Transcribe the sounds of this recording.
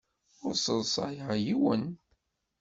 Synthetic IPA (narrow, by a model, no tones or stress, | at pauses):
ʊɾsəðˤsˤɑ̰jəjiwə̰n